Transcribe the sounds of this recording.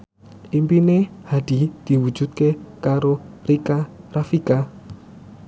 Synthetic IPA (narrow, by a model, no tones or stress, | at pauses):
ʔimpinehad̪̥i̤d̪̥i̤wu̥d͡ʒ̥ṳt̪̚kekaɾorikarafika